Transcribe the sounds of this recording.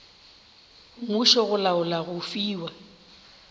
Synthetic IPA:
muʃɔɣʊlaʊlaɣʊfiːwa

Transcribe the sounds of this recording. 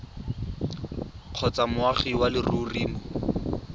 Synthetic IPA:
q͡χʰɔt͡samʊaχiwalɪruriːmɔ

